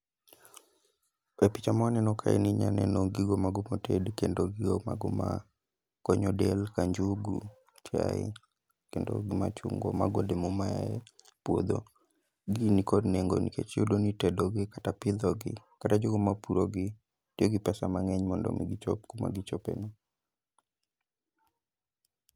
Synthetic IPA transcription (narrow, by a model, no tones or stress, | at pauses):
ɛpit͡ʃamaɔnɛnɔkʰaɛ̰niɲanɛnoɡiɡomaɡomotedkendoɡiɡomaɡɔma̰ | kɔɲɔdɛlkaɲd͡ʒuɡu | ta̰ɛ̰ | kendo̰ɡima̰t͡ʃuŋɡɔ̰ma̰ɡodemɔmaja̰ɛ | pwod̪o̰ | ɡinikɔdneŋɡo̰nikḛt͡ʃjodonitɛdɔɡɪkatapɪd̪ɔɡɪ̰katad͡ʒoɡomapuɾoɡɪ | tioɡɪpɛsamaŋɛɲmɔndɔ̰miɡit͡ʃɔpkoma̰ɡit͡ʃɔpɛ̰no